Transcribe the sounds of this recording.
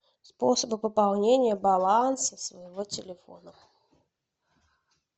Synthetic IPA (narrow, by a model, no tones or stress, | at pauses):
spɔsəbɨpɐpalˠnʲenʲɪjəbalˠansɐsvɐjivɔt͡sʲɪlʲɪfɔ̰nɐ